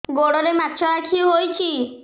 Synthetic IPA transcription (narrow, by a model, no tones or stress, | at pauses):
ɡoɽoɾemat̪ːʃʰɔɽakʰiwɦojt͡ʃʰi